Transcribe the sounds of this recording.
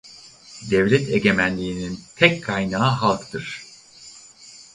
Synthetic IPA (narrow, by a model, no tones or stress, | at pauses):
d̪ɛvlʲɛt̪ʰeɟe̞mænlʲiːnint̪ʰɛkʰkʰːajnaːɦalˠkt̪ʰɯɾ̥